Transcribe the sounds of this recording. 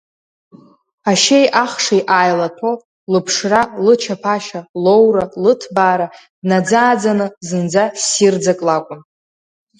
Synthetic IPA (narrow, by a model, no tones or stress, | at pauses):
aʃe̞jʔaχʂajʔaːjlatʰo | lɨpʰʂralɨt͡ʃʰapʰaʃalowɾalɨtʰbaːɾa | dnad͡zaːd͡zanɨzɨnd͡zasird͡zakʼlakʷʼʊn